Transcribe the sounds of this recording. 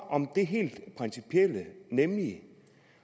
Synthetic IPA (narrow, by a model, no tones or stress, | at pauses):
ʔɒ̽md̥e̝ɦe̝̰ːld̥pʰʁɛnsipʰiel̰ənemli